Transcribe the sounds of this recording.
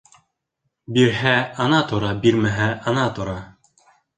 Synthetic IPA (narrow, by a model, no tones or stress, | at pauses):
biɾɦæɑnɑt̪ŏɾɑbiɾmæɦæʔɑnɑt̪ŏɾɑ